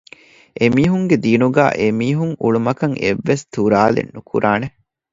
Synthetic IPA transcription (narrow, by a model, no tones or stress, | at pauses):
ʔemiːɦuŋɡed̪iːnuɡæ̰ːʔemiːɦuŋuɭumɐkɐŋeʋːest̪uɾaːlḛnːukʰṵɾʔaːne